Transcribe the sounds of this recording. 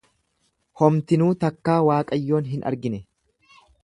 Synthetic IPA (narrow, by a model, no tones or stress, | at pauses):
hɔmt̪ɪnuːt̪ɐkːaːwaːkʼɐjːo̞ːnɦɪnʔɐ̰ɾɡɪnɛ